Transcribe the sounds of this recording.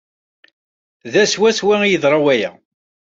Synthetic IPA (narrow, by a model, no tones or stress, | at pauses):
ðæswæswæijəðɾˤɑwæjæ̰